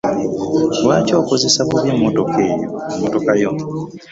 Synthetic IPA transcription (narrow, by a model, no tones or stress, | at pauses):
waːco̞ːkoze̞sakuβjamːotokeːjomotokajo